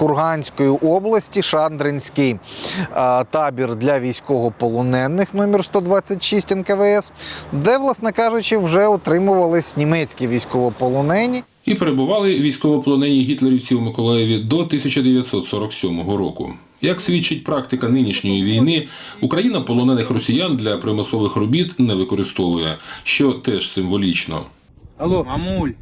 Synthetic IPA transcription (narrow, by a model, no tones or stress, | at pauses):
kʊrɦɑnʲsʲkɔjiʔɔblˠɐsʲtʲiʃɑnd̪ɾɪnʲsʲkɪj | t̪ɑbʲird̪lʲɐʋʲijsʲkɔɦɔpɔlˠɔnɛnːɪxnɔmʲirst̪ɔd̪ʋɑt͡sʲːɐtʲʃisʲtʲɛnkɐʋɛɛsd̪ɛʋlˠɑsnɛkɑʒʊt͡ʃɪwʒɛɔt̪ɾɪmʊʋɐlˠɪsʲnʲimɛt͡sʲkʲiʋʲijsʲkɔʋɔpɔlˠɔnɛnʲi | ipeɾebʊʋɑlˠɪʋʲijsʲkɔʋɔpɔlˠɔnɛnʲiɦʲit̪lˠeɾʲiwsʲimɪkɔlˠɛjɛʋʲid̪ɔt̪ɪsʲɐt͡ʃɐd̪eʋʲjɐt̪ʲsɔt̪sɔɾɔksʲɔmɔɦɔɾɔkʊ̰ | jɐksʲʋʲit͡ʃːɪt̚ʲpɾɑk̚t̪ɪkɐnɪnʲiʃnʲɔjiʋʲijnɪ | ukɾɐjinɐpɔlˠɔnɛnɪxrɔsʲijand̪lʲɐpɾemɔsɔʋɪxrɔbʲit̪nɛʋɪkɔɾɪst̪ɔʋʊjɛʃt͡ʃɔt̪ɛʃsɪmʋɔlʲit͡ʃnɔ̰ | ɐlˠomulʲ